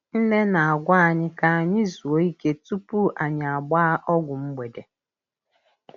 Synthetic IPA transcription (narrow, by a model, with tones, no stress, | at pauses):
n̩˦ne˦na˨a˨ɡʷa˦a˨ɲɪ˦ka˦a˨ɲɪ˦zu˨o˦i˦ke˦tu˦pu˦ʔa˨ɲ˨a˨ɡ͡ba˦a˦ʔɔ˦ɡʷʊ˨m̩˦ɡ͡be˨de˨